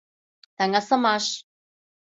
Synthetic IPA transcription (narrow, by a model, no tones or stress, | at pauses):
t̪aŋasamaʃ